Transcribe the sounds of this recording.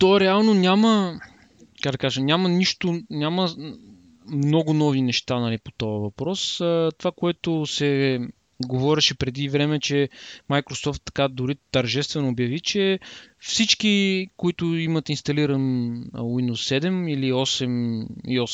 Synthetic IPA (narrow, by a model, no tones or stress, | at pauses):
t̪ɔɛɾɛalˠnonʲamə | kaɡd̪ɐkaʒɐnʲamɐniʃt̪ʊnʲamə | mnɔɡʊnɔvinɛʃt̪anɐlipo̥t̪ɔɐvɐpɾɔsət̪ovakoɛt̪ʊsɛ | ɡovɔɾɛʃɛpɾɛd̪ivɾɛmɛt͡ʃɛmajkɾosɔft̪ːɐ̥kad̪ʊɾit̪ɐɾʒɛst̪vɛnoːbjɐvit͡ʃɛfsit͡ʃk̟ikoit̪ʊimət̪inst̪ɐliɾənwind̪usːɛd̪ɛmiliɔsɛmḭiɔs